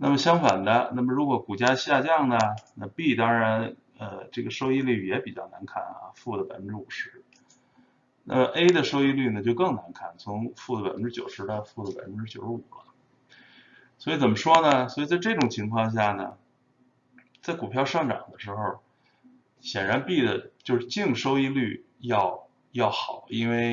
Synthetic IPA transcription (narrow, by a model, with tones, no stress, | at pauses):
na̰˥˩mə˩ɕjɑ˥ŋfa˨˩nd̪ə˦na˥˩mə˩ɻu˧˥kwɔ˧˥ku˨˩t͡ɕja˥ɕja˥˧t͡ɕjɑ˥˩ŋnə˨˩na˥˧pi˥˩t̪ɑ˥ŋɻa˧˥n | ə˧ʈ͡ʂɤ˥˩ɡə˩ʂo˥ʊi˥˧ly˥˩jɛ˧˥pi˨˩t͡ɕjɑ˥˩ʊna˧˥nkʰa̰˥˩nɐ̰˧fu˥˩d̪ə˩pa˨ɪfə˦˥ʈ͡ʂɻ̩˥u˨˩ʂɻ̩˧˥ | nʔa̰˥˩mə˩ʔe˥ɪd̪ə˨ʂo˥ʊi˥˧ly˥˩nə˩t͡ɕjo˥˧ʊkɤ˥˩ŋna˧˥nkʰa˥˩nt͡sʰʊ˧˥ŋfu˥˩d̪ə˩pa̰˨˩ɪfə˦nʈ͡ʂɻ̩˥t͡ɕjo˨˩ʊʂɻ̩˧˥ɑ˥˧ʊfu˥˩d̪ə˩pa̰˨˩ɪfə˦˥nʈ͡ʂɻ̩˥t͡ɕjo˨˩ʊʂ̩˥u˨˩lə˦ | swɔ˧˥i˧˩t͡sə˨˩mə˦ʂwɔ˥nə˨swɔ˧˥i˨˩t͡sa˥˧ɪʈ͡ʂɤ˥˩ʈ͡ʂʊ˨˩ŋt͡ɕʰi˧˥ŋkʰwɑ˥˧ŋɕ̬ja˥˩nə̰˩ | t͡sa˥˩ɪku˨˩pʰjɑ˥˧ʊʂɑ˥˩ŋʈ͡ʂɑ̰˨˩ŋd̪ə˦ʂɻ̩˧˥xo˧ʊ | ɕjɛ˨˩nɻa˧˥npi˥˩d̪ə˩t͡ɕjo˥˧ʊʂɻ̩˥˧t͡ɕi˥˩ŋʂo˥ʊi˥˧ly˥˩jɑ˥˧ʊ | jɑ˥˩ʊxɑ˨˩˦ʊi˥nwe˥˧ɪ